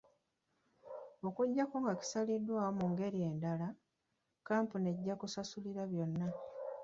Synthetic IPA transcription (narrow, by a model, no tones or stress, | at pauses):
o̞kuɟːakoŋɡaki̥salidwaːwomuŋɡe̞ɾije̞ːndala | kaːmpune̞ɟːakusasuliɾaβjo̞nːa